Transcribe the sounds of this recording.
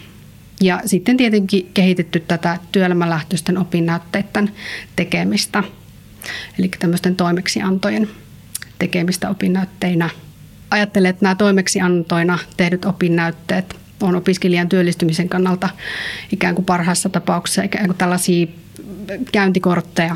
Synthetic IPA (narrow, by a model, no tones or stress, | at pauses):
jɑsit̪ːent̪iet̪eŋkikehit̪et̪ːyt̪tæt̪æt̪yølæmælæht̪øst̪ːenopinːæyt̪ːeːt̪ːent̪ekemist̪æ | elikːæt̪æmːøst̪ent̪oimeksiɑnt̪ojen | t̪ekemist̪æopinːæyt̪ːeinæ | ɑjɑt̪ːeleːt̪næːt̪oimeksiɑnt̪oinɑt̪ehnyt̪opinːæyt̪ːeːt̪ | onopiskeliɑnt̪yølːist̪ymiseŋkɑnːɑlt̪ɑikæːŋkupɑrhɑsːɑt̪ɑpɑˑuksi̥sːɑikæːŋkut̪ælːɑsiː | kæynt̪ikort̪ːejɑ